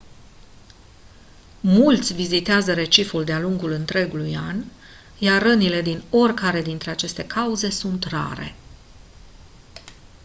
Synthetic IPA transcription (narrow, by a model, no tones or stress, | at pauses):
mult̪sʲvizit̪eazəɾe̞t͡ʃifuld̪ealuŋɡulɨnt̪ɾe̞ɡuluja̰n | jarːənile̞d̪ino̞rʲkaɾe̞d̪int̪ɾe̞at͡ʃe̞st̪e̞kʰauze̞sunt̪ra̰ɾe̞̰